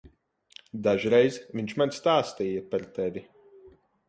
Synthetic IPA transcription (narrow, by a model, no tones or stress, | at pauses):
d̪aʒɾɛjzviɲt͡ʃmanʲst̪aːst̪iːjapɛɾt̪ɛvʲi